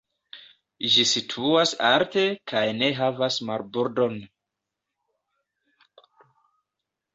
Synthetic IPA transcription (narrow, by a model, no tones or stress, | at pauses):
ʒisitʰuasaɾte̞kʰajne̞ɦavasmaɾbuɾdo̞n